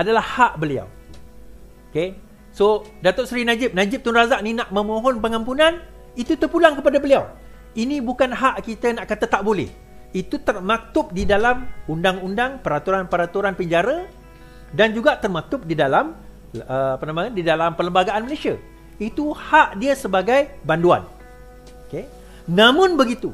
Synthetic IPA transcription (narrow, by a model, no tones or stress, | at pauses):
adalahhaʔbəlia̰w | oke | so | dat̪oʊʔsɾinãd͡ʒɪp̚nãd͡ʒɪp̚t̪unrazak̚ninaʔmə̃mõɦɔnpəŋãmpunãn | it̪ut̪ərpulaŋkəpadabəliaw | inĩbukanɦaʔkit̪anaʔkat̪at̪aʔbolɛ̰h | it̪ut̪ərmãt̪ʊp̚didalamundaŋundaŋpəɾat̪uɾanpəɾat̪uɾanpəɲd͡ʒaɾa | dand͡ʒuɡaʔt̪ərmãt̪ʊp̚didalam | əapənãmadidalampələmbaɡaʔanməlesia̰ | it̪uhaʔdiəsəbaɡajbandua̰n | oke | nãmʊ̃nbəɡit̪u